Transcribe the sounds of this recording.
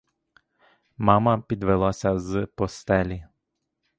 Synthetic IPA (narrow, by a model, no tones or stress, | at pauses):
mɑmɐpʲid̪ʋelˠasʲɐzpɔst̪ɛlʲi